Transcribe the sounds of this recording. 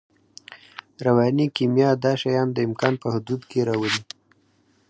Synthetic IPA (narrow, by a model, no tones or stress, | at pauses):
ɾawɑnikimjɑd̪ɑʃajɑnd̪əɪmkɑnpəhʊd̪ud̪keɾɑwəli